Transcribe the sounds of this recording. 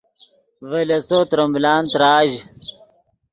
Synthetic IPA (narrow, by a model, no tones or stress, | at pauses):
ʋɐlesot̪ɾɐmblaːnt̪ɾaːʑ